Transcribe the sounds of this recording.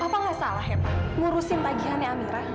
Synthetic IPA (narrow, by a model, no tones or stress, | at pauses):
apaŋasalaɦɛmŋuɾusɪnpaɡiɦanːeamiɾa